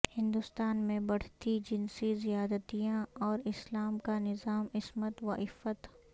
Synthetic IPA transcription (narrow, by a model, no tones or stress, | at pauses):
hɪ̃nd̪ʊst̪aːnmẽbɐɽ̤t̪id͡ʒɪnsizijaːd̪ət̪ijãɔːɾɪslaːmkanɪzaːmɪsmət̪ʋaɪfət̪